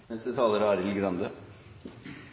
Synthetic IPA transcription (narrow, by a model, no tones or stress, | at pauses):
mɛst̪ət̪ʰɑːləɾəɑɾɪlɡɾɑnd̪ə